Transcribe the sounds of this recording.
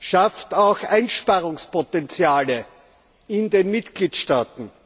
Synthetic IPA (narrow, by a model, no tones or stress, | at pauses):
ʃaftaʊxʔæɪnʃpaʁʊŋspotɛnt͡sjaːlə | ɪndeːnmɪtɡ̥liːtʃtaːtn̩